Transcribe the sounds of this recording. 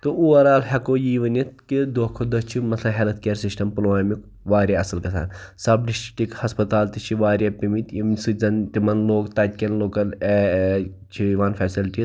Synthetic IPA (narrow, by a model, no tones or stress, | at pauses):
t̪oʔuʋɐɾaːlhɐkoːjiːʋɐnit̪kid̪oːkʰod̪ɐt͡ʃʰimɐt̪ʰlɐ̃ɦelɐt̪keːɾsisʈɐmplaːmik | ʋaːɾʲaɐsɐlkɐsʰa̰ːnsɐbɖisʈi̥ʈikhɐspɐt̪aːlt̪it͡ʃʰiʋaːɾʲjaːpimit̪imsizɐnt̪imɐnloːɡt̪ɐt̪̚ʲkʲɐnloːkɐle | t͡ʃʰiʋaːnfʰɛːsilʈi